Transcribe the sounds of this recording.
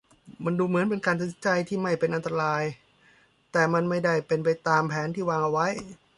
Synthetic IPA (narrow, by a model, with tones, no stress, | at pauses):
ma˧nduː˧mɯ˩˦ənp̬e˧nkaː˧nt̪a˧˩si˦nt͡ɕa˧jt̪ʰiː˥˩ma˥˩jpe˧nʔa˧nt̪ɾa˧ɾaː˧j | t̪ɛː˨˩ma˧nma˥˩jda˥˩jpe˧npa˧jt̪aː˧mpʰɛː˩˦˥nt̪ʰiː˥˩waː˧ŋʔa˧wa˦˥j